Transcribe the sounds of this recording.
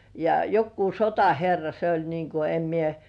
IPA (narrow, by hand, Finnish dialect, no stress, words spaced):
jɑ jokːuː sotɑherːɑ se olʲ niːŋ ku em mie